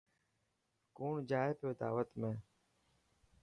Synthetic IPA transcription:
kuːɳd͡ʒaːepɪjoːd̪a̰ːʋət̪mẽː

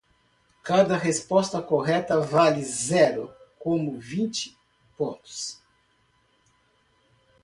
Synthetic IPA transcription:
kad̪ɐɦespɔst̪ɐkoɦɛt̪ɐvalɪzɛɾʊ̰kõmʊvĩnt͡ʃɪ̥ | põnt̪ʊ̥s

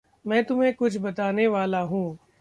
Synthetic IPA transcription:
mɛ̃ːt̪ʊm̤ẽkʊt͡ʃʰbɐt̪aːneʋaːlaɦũː

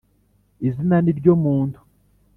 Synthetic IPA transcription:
izinaniɾɟomuːndʰu̥

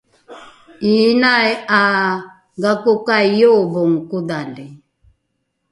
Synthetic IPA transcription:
inaɛa | ɡakɔkaijɔbɔŋ̩kuðalɛ

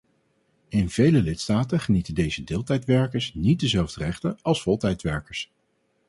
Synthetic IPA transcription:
ɪnv̥ejləlɪtstaːtəχənitəndejzədɪːlˠtɛjtʋɛɹkəɹsnit̚dəzɛlˠvdərɛχtənɑlˠsfɔlˠtɛjtʋɛɹkəɹs

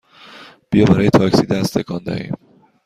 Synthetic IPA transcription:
b̥ijɒbæɾɒːjet̪ʰɒːcsiːd̪æst̪ʰekʰɒnd̪ɒ̰hḭːm

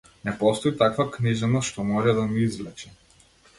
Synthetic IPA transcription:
nɛpɔst̪ɔit̪akvakniʒɛnaʃt̪ɔmɔʒɛd̪amiizvlɛt͡ʃɛ

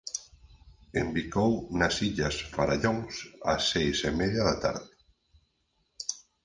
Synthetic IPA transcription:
embikownɐsiʎɐsfaɾaʎoŋsɐ̰sːejsemeðjɐðɐt̪a̰ɾðɪ

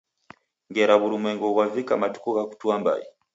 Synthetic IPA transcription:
ŋɡeɾaβuɾumeːŋɡoβwavikamatu̥koɣaku̥twaːmba̰ji

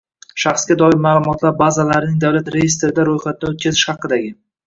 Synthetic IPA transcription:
ʃɑχsɡʲad̪ɒɪɾmaːlˠʊmɒt̪ʰlaɾbazalaɾɪnɪŋd̪awlat̪ɾe̞jest̪ɾɪd̪aɾojχɑt̪ʰɪd̪aot̪̚kʲʰazɪʃhɑqːɨd̪aɡʲɪ

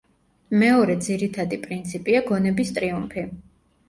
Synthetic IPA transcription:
mɛɔɾɛd̪ziɾit̪ʰad̪ipʼɾint̪sʰipʼiaɡɔnɛbist̪ʼɾiumpʰi

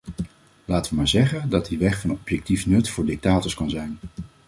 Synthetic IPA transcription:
laːtəʋəmaːɹzɛχəndɑt̚diʋɛχfɑnɔpjɛk̚tifnɵtfʊːɹdɪk̚taːtɔɹkɑnzɛjn

